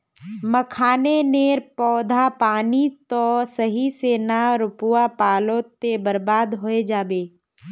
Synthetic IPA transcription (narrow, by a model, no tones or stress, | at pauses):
məkʰaːneneːɾpɔːd̪ʱapaːnit̪ɔsəɦiseːnaɾʊpuwapaːlot̪ebəɾbaːd̪ɦoːed͡ʒaːbeː